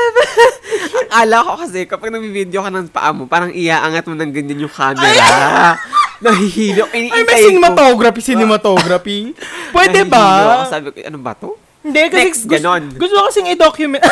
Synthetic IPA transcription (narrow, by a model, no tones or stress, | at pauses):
ɐŋaːlɐkokɐsɛkɐpaɡ̚nɐɡ̚bibid̪jokɐnɐŋpɐ̰ʔa̰mopaːɾɐŋʔɪjaːʔaŋɐt̪̚monɐŋɡɐɲːanjʊŋkaːmɛɾa | nɐɦihiːlokʔɪɐjmɐjsɪnɛmɐt̪oɡɾɐpisɪnɛmɐt̪oɡɾɐpipwɛːɛbɐsaːbɪkoʔɐ̰noŋbɐ̰t̪o | hɪnd̪ɛkɐɛɡɡɐnonɡʊst̪okɐsɛŋɪd̪okjʊmɛ